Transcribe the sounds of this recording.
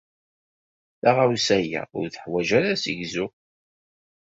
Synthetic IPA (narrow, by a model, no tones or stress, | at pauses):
θaʁausæjæ̰ʊ̰ɾθəħwæʒæɾæsiʝzʊ